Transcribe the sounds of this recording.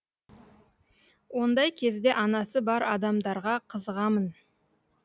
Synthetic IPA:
wo̞nd̪ɑjkʲʰe̞zd̪e̞ʔɑnɑsəbɑɾɑd̪ɑmd̪ɑɾʁɑqʰəzəʁɑmən

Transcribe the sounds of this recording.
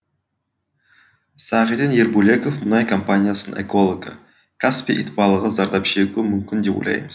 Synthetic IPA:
sɑʁid̪inje̞ɾbulʲe̞kofmʊnɑjkʰompanʲijasənʔḛko̞lˠoɡə̰ | kʰaspʲiʔḭt̪pɑlˠəʁəzɑɾd̪ɑpʃe̞ɡʲuɪmʏmkʲɪnd̪e̞po̰lʲˠɑ̰jməz̥

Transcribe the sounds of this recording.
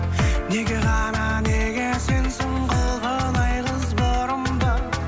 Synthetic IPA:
ne̞ɡʲeʁɑnɑne̞ɡʲese̞nsoɴqəlˠʁənɑjʁəzboɾəmd̪ə

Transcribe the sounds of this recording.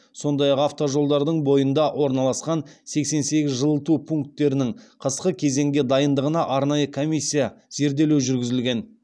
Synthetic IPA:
so̞nd̪ɑjɑqɑft̪o̞ʒo̞lˠd̪ɑɾd̪əɴbo̞jənd̪ɑwʔo̞ɾnɑlˠɑsqɑnse̞kse̞nse̞ɡʲɪzʒəlˠət̪upʰuŋk̚t̪ːe̞ɾɪnɪɴqʰəsqəkʲʰe̞ze̞ŋɡʲe̞d̪ɑjənd̪əʁənɑʔɑɾnɑjəkʰomijsʲːijɑz̥e̞ɾd̪e̞lewʒʏɾɡʲɪzɪlɡʲe̞n

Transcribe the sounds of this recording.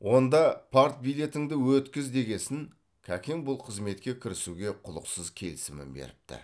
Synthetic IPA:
wo̞nd̪ɑpʰaɾt̪̚bijle̞t̪ɪŋd̪ɪwɵt̪kʲɪzd̪e̞ɡʲe̞sɪŋ | kʲʰækʲeŋbʊlˠqʰəzme̞t̪̚kʲe̞kʲʰɪɾɪsuɡʲe̞qʰʊlˠə̰qsəzkʲʰe̞̰lɪsɪmɪ̰nbḛɾɪp̚t̪ɪ̰

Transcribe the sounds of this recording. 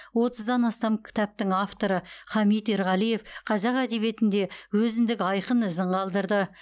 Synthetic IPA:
wo̞t̪əzd̪ɑnɑst̪ɑmkʲʰɪ̥t̪ɑp̚t̪ɪŋaft̪o̞ɾəχɑmit̪eɾʁɑlˠije̞fqʰɑzɑqæd̪e̞βje̞t̪ɪnd̪e̞wɵzɪnd̪ɪkɑjqənɪzɪɴqʰɑlˠd̪əɾd̪ə

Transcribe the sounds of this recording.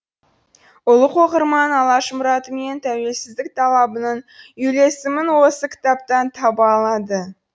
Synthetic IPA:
ʊlˠəqʰoqəɾmɑnɑlˠɑʃmʊɾɑt̪əme̞nt̪ʰæwe̞lsɪzd̪ɪk̚t̪ʰɑlˠɑbənɑnʏjle̞sɪmɪnwo̞səkʲʰɪ̥t̪ɑp̚t̪ɑnt̪ʰɑbɑlˠɑd̪ə

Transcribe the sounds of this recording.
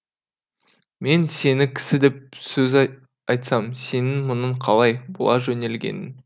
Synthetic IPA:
me̞nse̞nɪkʲʰɪ̥sɪd̪e̞p̚sɵz | ɑjt̪sɑmse̞nɪŋmʊnəɴqʰɑlˠɑjbʊ̰lˠɑʒɵne̞lɡʲḛnɪn

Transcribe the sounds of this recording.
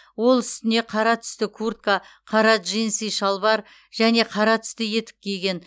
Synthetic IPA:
wo̞lˠʏst̪ɪne̞qʰɑɾɑt̪ʰʏ̥st̪ɪkʰurt̪̚kaqʰɑɾɑʒejnsijʃɑlˠbɑɾ | ʒ̥æne̞qʰɑɾɑt̪ʰʏ̥st̪ɪje̞t̪ɪ̥p̚kʲʰe̞jɡʲe̞n

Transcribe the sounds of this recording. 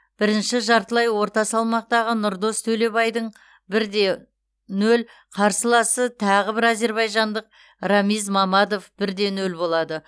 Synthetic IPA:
b̥ɪɾɪnʃɪʒɑɾt̪əlˠɑjwo̞ɾt̪ɑsɑlˠmɑq̚t̪ɑʁənʊɾd̪o̞st̪ʰɵle̞bɑjd̪əɴ | bɪɾd̪e̞ | nɵl | qʰɑɾsəlˠɑsət̪ʰɑʁəbɪɾæze̞ɾβɑjʒɑnd̪əq̚ | rɑmijzmɑmɑd̪o̞fb̥ɪɾd̪e̞nɵlbo̞lˠɑd̪ə

